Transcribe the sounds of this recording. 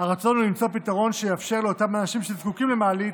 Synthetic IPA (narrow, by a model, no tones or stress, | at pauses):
haʁat͡so̞nulimt͡so̞pitaʁo̞nʃejafʃe̞ʁleotamanaʃimʃezkukimlemaːlit